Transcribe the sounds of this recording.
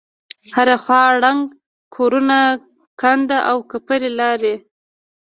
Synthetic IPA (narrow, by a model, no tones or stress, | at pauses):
haɾaxwɑɽaŋɡ | kʰoɾuna | kand̪aʔawkapəɾelɑɾe